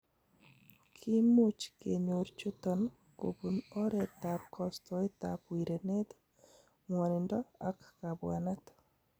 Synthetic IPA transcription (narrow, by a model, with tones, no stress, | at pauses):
kʰi˦mu˦t͡ʃkḛ˨ɲo˨ɾt͡ʃu˦tɔ˨n | ko̰˨bu˨nɔ˦ɾɛ˨ta˨pkʰɔ˨stɔ˨e˦ta˨pwi˨ɾe˨ne˦t̪ | mwɔ˨nɪ˨ndɔ˦a˦kka˨bwa̰˨na˦t̪